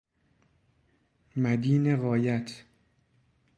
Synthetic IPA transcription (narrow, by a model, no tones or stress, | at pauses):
mæd̪iːneɣɒːjæt̪ʰ